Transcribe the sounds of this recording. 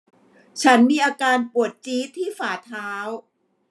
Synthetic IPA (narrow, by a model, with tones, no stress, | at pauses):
t͡ɕʰa˦˥nmiː˧ʔaː˧kaː˧npu˨˩ət̪̚t͡ɕiː˦˥t̪ʰiː˥˩faː˨˩t̪ʰaː˦˥w